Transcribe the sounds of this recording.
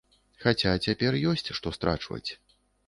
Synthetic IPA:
xat͡sʲat͡sʲapʲɛrjɔsʲt͡sʲʂt̪ɔst̪ɾʔa̰t͡ʂvɐ̰t͡sʲ

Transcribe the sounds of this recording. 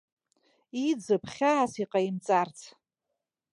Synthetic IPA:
id͡zɨpʰχʲaːsiqʼaimt͡sʼart͡sʰ

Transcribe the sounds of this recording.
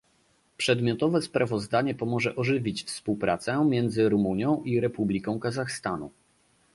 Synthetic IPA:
pʂɛd̪mʲjɔt̪ɔvɛspɾavɔzd̪aɲɛpɔmɔʐɛʔɔʐɘvʲit͡ɕfspuwpɾat̪sɛmʲjɛnd̪zɘɾumuɲjɔ̃w̃ʔiɾɛpublʲikɔ̃w̃kazaxst̪anṵ

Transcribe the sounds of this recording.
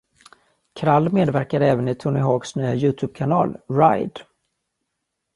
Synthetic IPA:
kʰɾalːmeːd̪væɾkad̪ɛːvənɪt̪ʰɵnɪɦoːɡsnyːajʉ̟ːt̪ʰɵːb̚kʰanɑ̰ːlɾajd̪

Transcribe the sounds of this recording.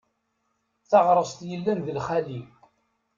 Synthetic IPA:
θɑʁɾˤəst̪jəlːænðəlχæli

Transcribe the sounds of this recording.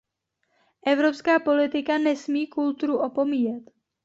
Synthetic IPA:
ʔɛvɾo̞pskaːpo̞lɪt̪ɪkanɛsmiːkult̪uɾuʔo̞po̞miːjɛt̪

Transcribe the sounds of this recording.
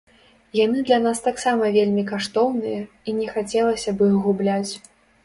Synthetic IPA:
jan̪ɨd̪lʲan̪ast̪aksamɐvʲelʲmʲikaʂt̪ɔwnɨjɐ | inʲɛxat͡sʲɛlˠɐsʲɐbɨɣublʲat͡sʲ

